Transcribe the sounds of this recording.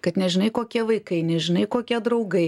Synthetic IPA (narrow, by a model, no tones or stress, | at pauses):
kɐt̪nʲɛʒʲɪnɐɪkoːkʲiɛʋɐɪkɐɪnʲɛʒʲɪnɐɪkoːkʲiɛd̪ɾɐʊɡɐɪ